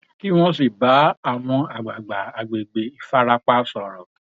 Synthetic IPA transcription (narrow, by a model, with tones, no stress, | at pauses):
ki˦w̃ɔ̃˦si˨ba˨˦a˦˨w̃ɔ̃˧a˨ɡ͡ba˨ɡ͡ba˨a˨ɡ͡be˨ɡ͡be˨i˧˦fa˦ɾa˦k͡pa˦sɔ˨ɾɔ˨